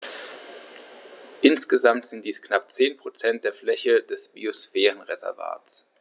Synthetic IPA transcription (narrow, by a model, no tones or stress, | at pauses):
ʔɪnsɡ̥əzamtz̥ɪnt̚d̥iːsknap̚t͡seːnpʁ̥ot͡sɛnt̚d̥eːɐflɛçəd̥ɛsb̥ḭosfɛːʁən̩ʁezɛ̰ɐva̰ːts